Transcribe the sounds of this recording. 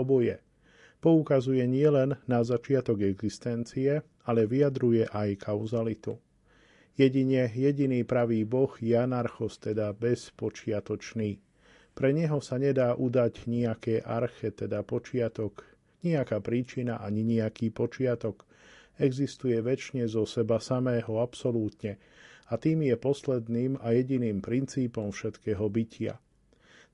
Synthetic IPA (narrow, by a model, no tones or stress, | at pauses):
ɔbɔjɛ | pɔukazujɛɲɪɛlɛnːazat͡ʃɪat̪ɔɡɛɡzist̪ɛnt͡siɛ | alɛʋiad̪ɾujɛʔajkʰaʊzalit̪u | jɛɟiɲɛjɛɟiniːpɾaʋiːbɔxjɛanaɾxɔst̪ɛd̪abɛspɔt͡ʃɪat̪ɔt͡ʃniː | pɾɛɲɛɦɔsaɲɛd̪aːʔud̪aɟɲiakɛːʔaɾxɛt̪ɛd̪apɔt͡ʃɪat̪ɔk | ɲiakaːpɾiːt͡ʃinaʔaɲiɲiakiːpɔt͡ʃɪat̪ɔk | ɛɡzist̪ujɛʋɛt͡ʃɲɛzɔsɛbasamɛːɦɔapsɔluːt̪ɲɛ | at̪iːmjɛpɔslɛd̪niːmajɛɟiniːmpɾint͡siːpɔmfʃɛt̪kɛːɦɔbicɪa̰